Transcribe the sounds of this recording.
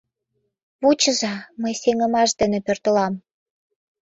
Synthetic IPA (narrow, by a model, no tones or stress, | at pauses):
βut͡ɕəzɑməjseŋə̆mɑʃd̪enepørt̪əlɑm